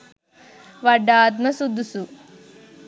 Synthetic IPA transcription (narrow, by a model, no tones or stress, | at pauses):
ʋɐɖːaːd̪mɐsud̪ʱːusu